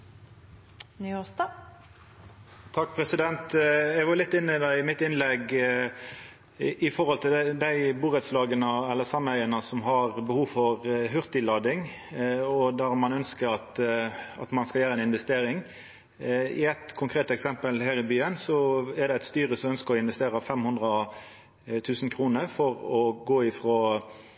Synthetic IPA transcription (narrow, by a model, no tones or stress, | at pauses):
nyːost̪ɑ | t̪ʰɑk̚ːpʰɾɛsɪd̪ɛnt̪ɛɡʋɑɾlɪt̪ːɪnːəd̪æɪmɪt̪ːɪnlɛɡ | ʔɪfɔɾɔlt̪ʰɪld̪æɪbuːʁɛd̪slɑːɡənəɛlːəsɑmœʏənəsɔmɦɑʁbəhuːʋfɔɾɦʉʁt̪ɪlɑːd̪ɪŋ | ɔd̪æʁmɑnœnskəɾɑt̪ɑ̰t̪mɑnskɑljæːɾəɛnɪnʋɛst̪eːɾɪŋ | ɪ̰æt̪kʰʊŋkʰɾeːt̪ɛksɛmpəlhæːɾɪbyːənsɔɛʁd̪ɛæɪt̪st̪yːɾəsɔmœnskəʁɔɪnʋɛst̪eːɾəfɛmhʉnd̪ʁə | t̪ʰʉːsnkʰɾuːnəɾfɔɾɔɡoːɪfɾoː